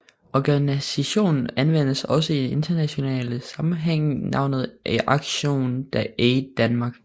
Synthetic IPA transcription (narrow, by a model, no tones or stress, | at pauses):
ɒɡ̥ænisæɕo̝̰ːnn̩ænʋen̰əsɒ̽s̬əiee̝nd̥ɐnæɕo̝nɛ̰ːləsɑ̈mm̩ɦeŋ̰nɑ̈ʊ̰nð̞̩ˠʔæʔɑ̈ɡ̥ɕo̝̰ːnd̥æeɪd̥ænmɑ̈ːɡ̥